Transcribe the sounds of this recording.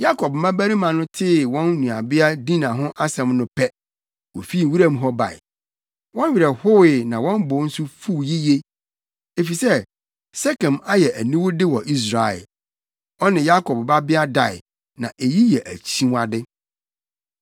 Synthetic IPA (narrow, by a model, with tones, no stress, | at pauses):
ja˦kʰɔ˨b̚mã˦bæ˦ɾi˦mã˨nʊ̃˦tʰɪ˦wɔ̃˦nː˦ũ˨a˨bɪ˦a˦dĩ˦nã˨ɦʊ̃˦ʔa˦sɛ̃˨mnʊ̃˦pʰɛ˦ | wo˨fi˦˨wu˦ɾã˦m˦ɦɔ˦ba̰˨ɪ̰˨ | wɔ̃˦n˦ɥi˨ɾɛ˨hʊ˦wɪ˨nã˨wɔ̃˦mbʊ˨˦n̩˦sʊ˦fu˦˨ji˦je˦ | e˨fi˨sɛ˦ | sɛ˦kʰɛ̃˨ma˦jɛ˨ʔæ˨nĩ˦wʊ˦dɪ˦wɔ˨ʔi˦s̬ɾa˨ɛ̰˨l | ɔ˦nɪ̃˨ja˦kʰɔ˨b̚ba˦bɪ˦a˦da˨ɪ̰˨ | nã˨ʔe˨ji˦jɛ˨ʔæ˨t͡ɕʰĩ˦a˨dɪ˦